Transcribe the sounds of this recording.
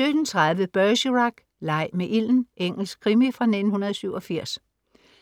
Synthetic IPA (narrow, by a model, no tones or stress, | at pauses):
ød̥ən̩t͡sʰʁɑðˠʋəb̥ɶɕəʁɑɡ̥ | lɑ̈ɪ̰meʔil̰n̩ʔeŋ̰l̩sɡ̥̚kʰʁimifʁɑ̈ne̝d̥n̩hunɐð̞ˠɒsyʊɒ̽fiɐ̰s